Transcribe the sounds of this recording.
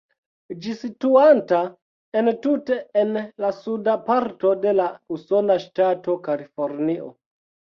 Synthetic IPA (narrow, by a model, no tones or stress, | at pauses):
d͡ʒisituanta | entute̞ːnlasudapaɾto̞de̞lauso̞naʃtato̞kalifo̞ɾniʔo̰